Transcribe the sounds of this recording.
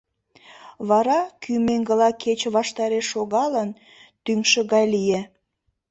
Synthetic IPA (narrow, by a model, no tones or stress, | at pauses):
βɑɾɑkʰymeŋɡəlɑkʰet͡ɕβɑʃt̪ɑɾeʃːoɣɑlən | t̪ymʃə̆ɣɑjlije